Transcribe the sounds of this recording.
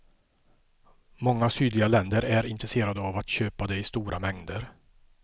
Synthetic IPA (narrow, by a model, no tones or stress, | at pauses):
mɔŋːasyːd̪lɪɡalɛnd̪əɾæɾɪnt̪ɾɛseːɾad̪əavat̪ɕøːpad̪ɛɪst̪uːɾʔamɛŋd̪əɾ